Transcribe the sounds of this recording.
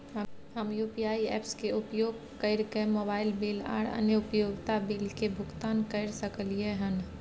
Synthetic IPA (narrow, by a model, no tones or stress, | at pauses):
ɦəmjuːpijaːiɛ̰ːpskeʊpjoːɡ | kəɪɾkemoːbaːɪlbeːla̰ːɽə̰njəʊpjoːɡt̪abeːlkebʱʊɡt̪aːnkəɪɾsəklieɦən